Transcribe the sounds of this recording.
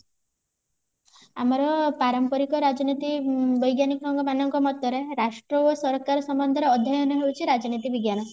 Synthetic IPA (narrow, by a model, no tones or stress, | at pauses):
amɔɾɔpaɾɔmpɔɾikɔɾad͡ʒɔnit̪ibɔjɡjanikɔɾɔŋɡɔmanɔŋkɔmɔt̪ːɔɾeɾaʃʈɾɔosɔɾkaɾɔsɔmbɔnd̪ʱɔɾeɔd̪ʱjajɔnɔɦewt͡ʃʰiɾad͡ʒɔnit̪ibiɡjanɔ